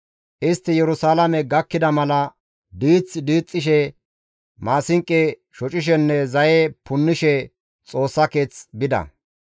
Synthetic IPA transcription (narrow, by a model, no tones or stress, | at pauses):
ʔɪst̪ːɪjɛɾʊsaːlɐmɛɡɐkːɪd̪ɐmɐlɐ | d̪iːt͡sːd̪iːt͡sʼːɪʃ̬ɛ | maːsɪŋkʼːɛ | ʃɔt͡ʃʼɪʃ̬ɛnːɛzɐjɛpʊnːɪʃɛ | t͡sʼo̞ːsːɐke̞ːt͡sbɪd̪ɐ̰